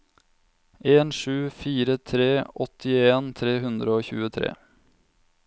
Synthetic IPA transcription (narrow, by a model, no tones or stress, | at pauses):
eːnʂʉːfiːɾət̪ʰɾeːʔɔt̪ʰɪeːnt̪ʰɾeːɦʉnd̪ɾəoːçʉ̰ːət̪ʰɾḛː